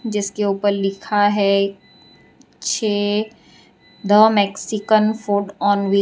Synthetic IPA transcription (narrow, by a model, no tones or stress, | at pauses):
d͡ʒɪskeuːpəɾlɪkʰaɦɛ | t͡ʃʰeː | d̪əmɛksɪkənfoːɖɔ̃ːnʋɪ